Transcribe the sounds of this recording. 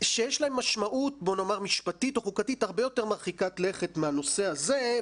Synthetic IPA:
ʃejeʃlae̞mːaʃmaʔut̚bo̞noːmaʁmiʃpatito̞χukatithaʁbejo̞te̞ʁmaʁχikatleχe̞tmeano̞se̞aze̞

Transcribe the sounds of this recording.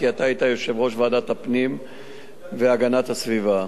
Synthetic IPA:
kiat̪aijt̪ajo̞ʃe̞vʁo̞ʃveaːdat̪hapnim | veaɡanat̪hasviva

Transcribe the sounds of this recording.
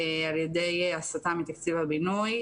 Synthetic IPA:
aljed̪ejasat̪amit̪akt͡sivabinuj

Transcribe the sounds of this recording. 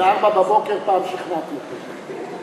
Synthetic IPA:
aʁbababokeʁpaːmʃiχnat̪ot̪

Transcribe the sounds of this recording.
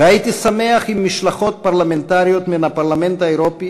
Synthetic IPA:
eait̪isame̞aχimːiʃlaχo̞t̪̚paʁlament̪aʁijo̞t̪menapaʁlame̞nt̪haeʁopi

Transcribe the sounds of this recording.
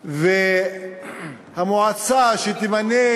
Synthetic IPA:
ve | hamoʕat͡saʃet̪imane

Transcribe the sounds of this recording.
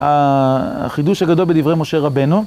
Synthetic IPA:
a̰ | χid̪uʃhaɡad̪o̞lbed̪ivʁejmoʃe̞ʁabenu

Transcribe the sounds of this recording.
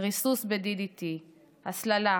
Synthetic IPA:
ʁisusbed̪idit̪i | haslala

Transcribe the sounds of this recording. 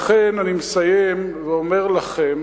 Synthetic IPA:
χenanimesajem | veome̞ʁlaχem

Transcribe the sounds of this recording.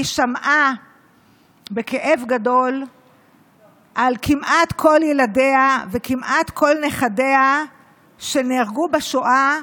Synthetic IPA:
iʃamʔa | be̞keʔe̞vɡado̞l | ʔalkimʔat̪kʰo̞ljelade̞avekimʔat̪kʰo̞lne̞χade̞a | ʃe̞neaʁɡubaʃoʔa

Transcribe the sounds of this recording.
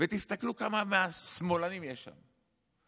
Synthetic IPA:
vet̪ist̪aklukamameasmolanimjeʃa̰m

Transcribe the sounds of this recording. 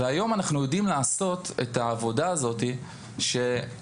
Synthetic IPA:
veajo̞manaχnujo̞dimlaːso̞tetaːvo̞daːzo̞ti | ʃe̞

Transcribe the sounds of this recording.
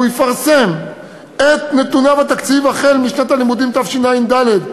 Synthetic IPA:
ujefaʁsem | et̪ne̞t̪unavat̪akt͡sivaχelmiʃnat̪alimud̪imt̪afʃinaimd̪aled̪

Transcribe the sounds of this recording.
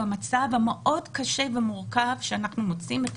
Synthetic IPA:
amat͡savhameʔo̞dkaʃevemuʁkavʃeanaχnumot͡simet

